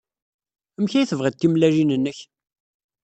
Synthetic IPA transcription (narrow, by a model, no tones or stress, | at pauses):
əmçæjθəvʁəd̪̚t̪ːimlæʒinənːəç